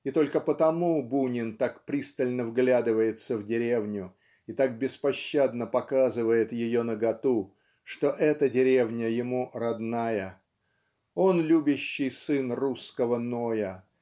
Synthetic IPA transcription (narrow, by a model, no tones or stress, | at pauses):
it̪o̞lʲkəpət̪ɐmubunʲɪnt̪akpɾʲist̪əlʲnəvɡlʲad̪ɨvəjɪt̪səvdʲɪɾʲevnʲʊ | it̪ak̚bʲɪspɐɕːad̪nəpɐkazɨvəjɪt̪jɪjonəɡɐt̪u | ʂt̪o̞ʔɛt̪ədʲɪɾʲevnʲəjɪmuɾɐd̪najə | o̞nlʲubʲɪɕːɪjsɨnruskəvəno̞jə